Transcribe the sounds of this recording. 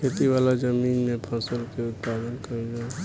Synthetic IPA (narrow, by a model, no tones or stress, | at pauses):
kʰet̪iʋalad͡ʒəmiːnmẽpʰəsəlkeʊt̪̚pad̪ənkəɾid͡ʒae